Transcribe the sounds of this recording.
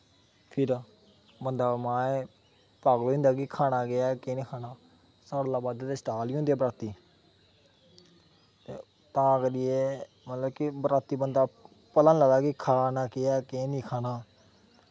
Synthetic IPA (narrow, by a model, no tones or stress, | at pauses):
pʰɪɾ | bənd̪aːmãːe | paɡloːɪ̃nd̪aːkɪkʰaːnaːɡɪaːkeːniːkʰaːnaː | saːɽlaːbaːd̪t̪eːsʈaːliːɦõnd̪eaːbəɾaːt̪iː | t̪ḛː | t̪ãːkəɾɪjeː | mət̪ləbkibɾaːt̪ːiːbənd̪aː | pələnləɡd̪aːkikʰaːnaːkɪaːkeːniːkʰaːnaː